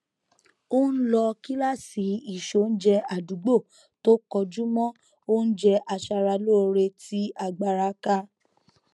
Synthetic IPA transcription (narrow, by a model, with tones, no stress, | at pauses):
o˦n̩˦lɔ˧ki˦la˦˨si˨˦i˦˨ʃo˨˦˨n̩˦d͡ʒɛ˧a˨du˨˦ɡ͡bo˦˨ | to˦kɔ˧d͡ʒu˦mɔ̃˦ | o˦n̩˦d͡ʒɛ˧ʔa˧ʃa˧ɾa˧lo˦o˧ɾe˧ti˦a˧ɡ͡ba˧ɾa˧˦ka˧